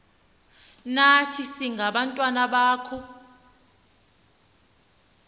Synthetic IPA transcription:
natʰisiŋɡʱaɓantʼwanaɓaːkʰɔ

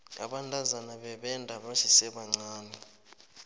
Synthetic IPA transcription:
a̰ɓandʱʼazanaɓɛɓɛndʱaɓaʃisɛɓaŋ͡ǀaːni

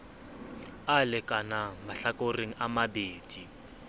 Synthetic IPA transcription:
alɪkʼanamaɬakʼoreŋ̩ʔamabeːd̥i

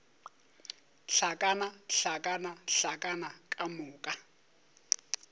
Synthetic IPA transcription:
ɬakʼanaɬakʼanaɬakʼanakʼamʊːkʼa

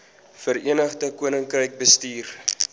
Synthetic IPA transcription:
fəɾiənəχdəkuənəŋkrəjk̚bəstiːr

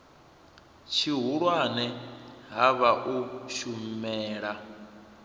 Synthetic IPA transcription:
t͡ʃʰiɦuɺwanɛɦaβaʔuʃumɛːɺa

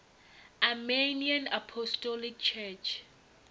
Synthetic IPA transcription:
ameniãnapʰɔstɔlik̚t͡ʃʰɛt͡ʃʰ

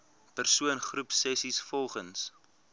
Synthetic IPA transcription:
pərsuənχrupsɛsisfɔlˠχəns

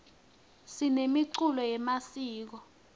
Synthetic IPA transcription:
sinemiǀulɔjɛmasiːk̬ɔ

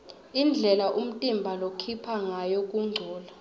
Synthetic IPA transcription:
ind͡ɮʱɛlaʔum̩tʼimbʱalokʰipʰaŋajok̬ʼuŋ͡ǀʱɔːla

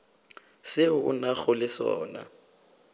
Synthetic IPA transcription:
sɪʊʊ̰naɣʊlɪsɔːna̰

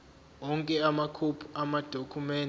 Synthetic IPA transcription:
wɔŋkʼɛamakʰupʰuamad̥ʱokʰumɛːn

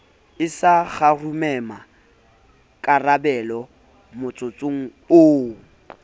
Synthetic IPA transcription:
ɪsaɣarumɛma | kʼarabɛlɔ | mʊt͡sʼʊt͡sʼoŋ̩ | ʊ

